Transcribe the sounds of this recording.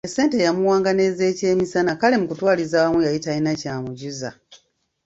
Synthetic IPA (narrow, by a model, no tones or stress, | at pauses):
ese̞ːnte̞jamuwaːŋɡane̞ze̞ːce̞ːmisanakale̞mukutwaːlizaːwamwujajitainacaːmuɟuza̰